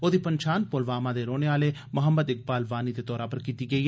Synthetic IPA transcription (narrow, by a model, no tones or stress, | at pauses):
oːd̪iːpəɲt͡ʃʰaːnpolʋaːmãːd̪eːɾoːneaːleːmʊɦəmːəd̪ɪk̚baːlʋaːniːd̪eːt̪ɔːɾaːpəɾkiːt̪iːɡəiːɦɛ